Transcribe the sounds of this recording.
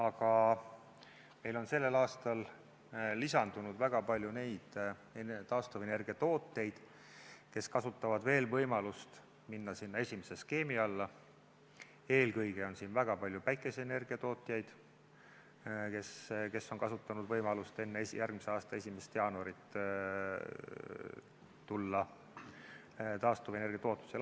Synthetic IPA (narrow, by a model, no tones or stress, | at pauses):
ɑɡ̥ɑ | me̞jlo̞nse̞lːe̞lɑːst̪ɑlː | isɑnd̪̥unud̪̥væɡ̥ɑpɑlʲjune̞jd̪̥et̪ɑːst̪ove̞ne̞rɡiɑt̪o̞ːt̪ːˑe̞jd̪̥ | ke̞skɑsut̪ːˑɑvɑd̪ve̞ːlvɤjmɑlust̪ | minːɑsinːɑe̞sʲimese̞ske̞ːmiɑlːɑ | e̞ːlkɤjɡ̥e̞o̞nsiːnvæɡ̥ɑpɑlʲjupæjkːˑe̞sene̞rɡ̥iɑt̪o̞ːt̪ːˑjɑjd̪̥ | ke̞ske̞sːo̞nkɑsut̪ːˑɑnud̪vɤjmɑlust̪e̞nːeejʔærɡ̥mise̞ɑːst̪ɑe̞sʲimest̪jɑːnuɑɾit̪ː | t̪ulːɑ | t̪ɑːst̪ovene̞rɡijɑt̪o̞ːt̪ːˑu̥sl